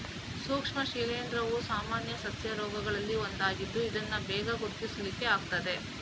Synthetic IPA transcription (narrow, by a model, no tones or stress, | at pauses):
suːkʂmɐʃiːlejnd̪ɾɐʋusaːmaːnjɐsɐsjɐɾɔːɡɐɡɐɭɐlːiond̪aːɡid̪ːuid̪ɐnːɐbɛːɡɐɡuɾt̪isɐlikːe̞aːɡ̚t̪ɐd̪e̞